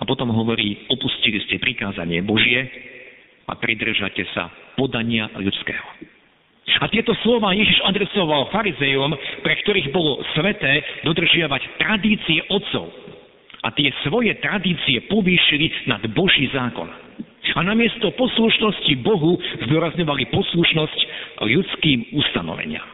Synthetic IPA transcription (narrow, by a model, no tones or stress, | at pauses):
apɔt̪ɔmɦɔʋɔɾiːɔpusciliscɛpɾikaːza̰ɲɪɛ̰bɔʒɪɛ | a̰pɾid̪r̩ʒa̰cɛsa̰pɔd̪aɲɪaʎut͡skɛ̰ːɦɔ | at̪ɪɛt̪ɔslɔʋaːjɛʒiʒad̪ɾɛsɔʋalfaɾizɛjumpɾɛkt̪ɔɾiːɣbɔlɔsʋɛt̪ɛːd̪ɔd̪r̩ʒɪaʋact̪ɾad̪iːt͡siɛʔɔtt͡sɔ̰ʊ | a̰t̪ɪɛsʋɔjɛt̪ɾad̪iːt͡siɛpɔʋiːʃilinad̪bɔʒiːzaːkɔ̰n | anamɪɛst̪ɔpɔsluʃnɔscibɔɦuzd̪ʊɔɾazɲɔʋalipɔsluʃnɔscʎut͡skiːmust̪anɔ̰ʋɛ̰ɲɪa̰m